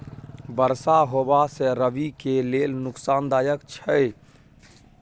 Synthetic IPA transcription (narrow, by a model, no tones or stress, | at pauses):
bəɾsaɦoːbaseɾəʋikeleːlnʊksaːnd̪aːjəkt͡ʃʰə